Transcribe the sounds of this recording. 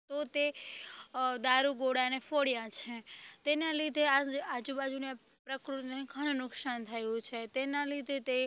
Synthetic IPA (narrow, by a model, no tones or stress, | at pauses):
t̪ot̪e | d̪aɾuɡoɽanefoɽjãt͡ʃʰet̪enalid̪ʱeaad͡ʒubad͡ʒunea | pɾəkɾut̪neɡʱəɽ̃nʊkʃant̪ʰəjũt͡ʃʰet̪enãlid̪ʱet̪e